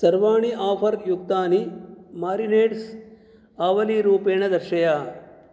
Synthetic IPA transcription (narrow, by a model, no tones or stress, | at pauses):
sɐɾʋaːɳiʔaːpʰɐɾjuk̚t̪aːnimaːɾineːɖs | aːʋɐliɾuːpeːɳɐd̪ɐɾʃɐjaː